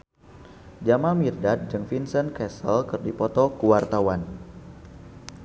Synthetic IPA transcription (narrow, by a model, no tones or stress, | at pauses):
d͡ʒamamirdat̪̚d͡ʒɨŋfinsənkɛsəlkɨrdipɔt̪ɔkuwart̪awan